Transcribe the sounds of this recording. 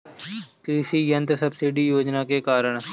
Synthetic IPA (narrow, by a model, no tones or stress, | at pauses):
kɾɪsiːjənt̪səbsiːɖiːjoːd͡ʒnaːkeːkaːɾəɳ